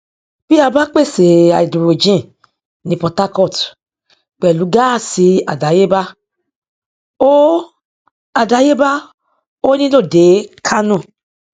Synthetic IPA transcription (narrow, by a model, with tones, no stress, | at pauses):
b̥i˦a˧ba˦k͡pe˦˨se˨a̰˨i˨do˨ɾo˨d͡ʒĩ˦ | nĩ˧pɔ˧ta˦kɔ˦˨t | k͡pɛ˨lu˨˦ɡa˦˨si˧a̰˨da˨˦je˦ba˦ | o˦ | a˨da˨˦je˦ba˦ | o˦nĩ˦lo˦˨de˨˦kʰa˦nũ˦˨